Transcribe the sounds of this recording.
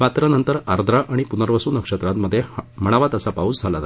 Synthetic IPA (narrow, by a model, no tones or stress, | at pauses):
ʋat̪ɾanənt̪əɾaɾd̪ʱɾaʔaɽ̃ipunəɾʋəsuːnəkʂət̪ɾat̪məd̪ʱːjem̤əɽ̃aʋat̪əsapaut͡sd͡zʱalat̪a